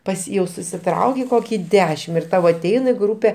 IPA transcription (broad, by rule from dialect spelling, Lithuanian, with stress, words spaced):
ˈpɐs jɛʊ sʊsʲɪˈtrɐʊkʲeː ˈkoːkʲiː ˈdʲæːʃʲɪm ɪr ˈtɐʊ ɐˈtʲɛɪn ɪ ˈɡruːpʲɛ